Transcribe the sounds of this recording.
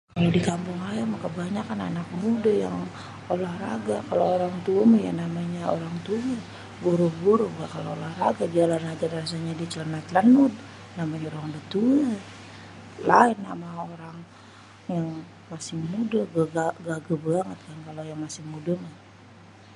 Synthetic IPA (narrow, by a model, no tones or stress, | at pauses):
kalodikampuŋlajamakəbaɲakana̰nak̚mudaja̰ŋ | olahraɡakalooɾaŋt̪uaməja̰namaɲaoɾaŋt̪uwə | ɡoɾɔhɡoɾohɡakaloolahraɡad͡ʒialanad͡ʒarras̬aɲadit͡ʃələnat̪lanud̪̚ | namaɲaoɾaŋdət̪uə | laɪnːa̰maoɾaŋ | jaŋ | masɪhmudaɡaɡaɡaɡabaŋət̪̚kankalojaŋmasɪŋmudamah